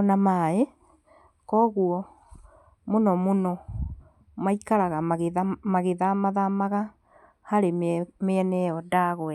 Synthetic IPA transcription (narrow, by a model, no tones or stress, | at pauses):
ɔnamae | kɔɣuɔ | monɔmonɔ | maikaɾaɣaɣmaɣeðamaðamaɣa | haɾemeɛnɛɔdaɣwɛ